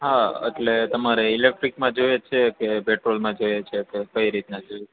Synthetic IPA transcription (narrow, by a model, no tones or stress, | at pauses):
ɦaḛʈlet̪əmaɾeilek̚ʈɾikmãd͡ʒojet͡ʃʰekepeʈɾolmãd͡ʒojet͡ʃʰekekəiɾit̪nad͡ʒo